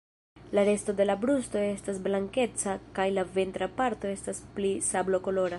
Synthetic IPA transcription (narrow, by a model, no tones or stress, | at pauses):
laɾe̞sto̞de̞labɾusto̞e̞stasblaŋke̞t͡sakajlave̞nt̪ɾapaɾto̞e̞stasplisablo̞ko̞lo̞ɾa